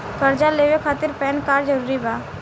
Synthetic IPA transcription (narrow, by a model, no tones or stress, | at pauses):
kɐɾd͡ʒaleːwekʰaːt̪ɪɾpɛːnkaːɾd͡ʒɐɾuːɾibaː